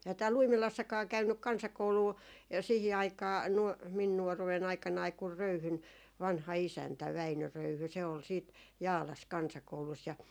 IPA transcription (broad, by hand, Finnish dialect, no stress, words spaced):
ehæ tæːlː uimilɑsːɑkɑː kæynːyk kɑnsɑkouluː jɑ siːhi ɑikɑː nuɔ min nuɔruwen ɑikˑɑnɑi kur røyhyn ʋɑnhɑ isæntæ ʋæinø røyhy se ol siːt jɑːlɑs kɑnsɑkoulus jɑ